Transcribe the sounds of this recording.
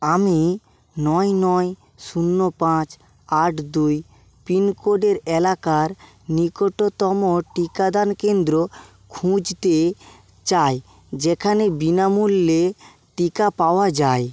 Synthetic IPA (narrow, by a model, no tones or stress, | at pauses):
ami | nɔjnɔj | sunːopãt͡ɕ | aʈd̪uj | pinkoɖeɾelakaɾ | nikoʈot̪ɔmoʈikad̪ankend̪ɾo | kʰũd͡ʑt̪e | t͡ɕaj | d͡ʑekʰanebinamulːe | ʈikapaoad͡ʑae